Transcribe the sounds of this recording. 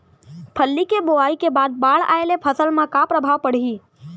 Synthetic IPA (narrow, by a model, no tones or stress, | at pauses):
pʰəlːikeboaːikebaːd̪̚baːɽa̰ːelepʰəsəlmãkapɾəbʱaːʋpəɽ̤iː